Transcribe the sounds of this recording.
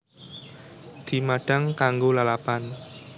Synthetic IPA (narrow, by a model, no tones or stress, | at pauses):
d̪̥i̤maɖ̥a̤ŋkaŋɡolalapan